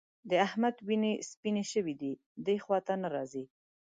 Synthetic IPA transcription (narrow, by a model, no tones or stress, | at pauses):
d̪əahmad̪winespineʃəwid̪i | d̪əjxwɑt̪anaɾɑzi